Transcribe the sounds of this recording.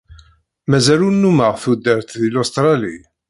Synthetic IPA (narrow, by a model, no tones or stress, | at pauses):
mæzælunːuməʁθud̪əɾt̪ðilost̪ɾˤɑli